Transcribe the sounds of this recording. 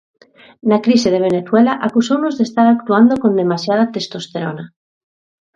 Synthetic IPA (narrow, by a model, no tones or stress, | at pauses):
nakɾiseð̞e̞β̞e̞ne̞θwelaʔakusownozðest̪aɾak̚t̪uand̪okõ̞nd̪e̞masjað̞at̪est̪ost̪eɾona